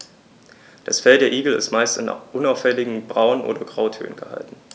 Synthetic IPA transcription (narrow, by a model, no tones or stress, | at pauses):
d̥asfɛldeːɐʔiːɡl̩ɪ̰stmaɪstanʔʊnaʊfɛlɪɡŋ̩bʁaʊənʔo̰ːdɐɡʁaʊtʰø̰ːnənɡ̥əha̰ltn̩